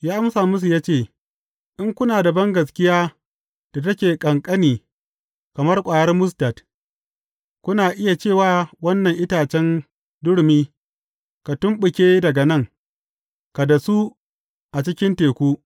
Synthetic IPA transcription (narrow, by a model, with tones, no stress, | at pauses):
jaː˦ʔa˦msaː˨mʊ˦s̬u˨jaː˦t͡ʃeː˦˨ | ʔɪ˦ŋkʷʊ˦naː˨da˨bɐ˦ŋɡɐ˨s̬kʲɪ˦jaː˦ | d̥a˨tɐ˦kʲeː˨kʼɐ˨ŋkʼɐ˦niː˨ | kɐ˨mɐ˦rkʷʼaː˨jɐ˦rmʊ˦s̬ta˨t | kʷʊ˦naː˨ʔɪ˦ja˨t͡ʃeː˦˨waː˦˨wɐ˦nːɐ˨ŋʔɪ˦taː˨t͡ʃɛ˦n | dʊ˦ɽmiː˦ | ka˨tʊ˦mɓʊ˨kʲeː˦dɐ˨ɡɐ˨nɐ˦˨ŋ | ka˨da˨su˦ | ʔa˨t͡ʃɪ˦kʲɪ˦nteː˨kʷuː˦